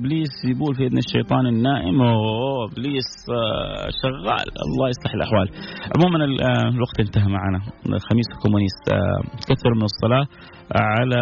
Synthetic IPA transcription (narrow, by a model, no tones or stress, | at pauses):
bliːsjɪbuːlfiʔad̪naʃːejt̪ˤɑːnɪnːaːʔɪm | bliːs | ʃaɣːa̰ːlʔɑ̰lˤːɑːjɑsˤlɑħɪlʔaħwaːlʕʊ̰muːmanɪlwaɡt̪ʔɪnt̪aɦamaʕaːnaxamiːswkʊmːʊniːst̪kaθːɪɾumɪnɨsˤːɑlɑː | ʕala